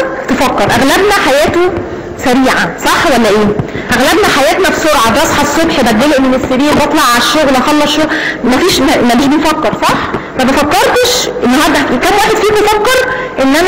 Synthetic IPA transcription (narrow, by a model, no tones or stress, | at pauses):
t̪efækːeɾˤʔæɣlæbnæħajæːt̪o | sæɾiːʕasˤɑħːwælːæʔeː | ʔæɣlæbnæħajæːt̪næfsoɾʕɑbɾˤɑsˤħɑsˤːobħbæt̪̚ɡæleʔmenesːeɾiːɾbɑt̪ˤlɑʕaæʃːoɣlʔɑxɑlːɑʃomæfiːʃmæmæbiːʃbejfækːɑɾˤsˤɑħ | mæbæfækːeɾˤt̪eʃʔenːɑɦɑɾˤd̪ækæmwæːħed̪̥fiːbefækːeɾʔenːʔæn